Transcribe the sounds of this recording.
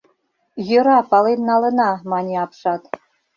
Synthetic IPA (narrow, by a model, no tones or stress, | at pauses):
jɤ̆ɾɑpɑlennɑlɤ̆nɑmɑnʲiɑpʂɑt̪